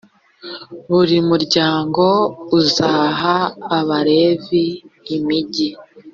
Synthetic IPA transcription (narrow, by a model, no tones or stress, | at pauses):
βuɾimuɾɟaːŋɡo̞uzaːɦaːβaɾe̞viːmiɟi